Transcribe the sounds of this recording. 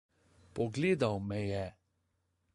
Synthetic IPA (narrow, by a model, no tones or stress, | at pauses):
pɔɡleːd̪awmɛjɛ